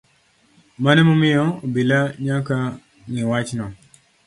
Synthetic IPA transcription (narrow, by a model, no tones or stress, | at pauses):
manɛmomɪjɔobelaɲaka | ŋiwat͡ʃnɔ